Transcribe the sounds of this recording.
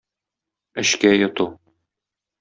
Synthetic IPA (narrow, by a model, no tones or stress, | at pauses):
ɘ̆ɕkæjŏt̪u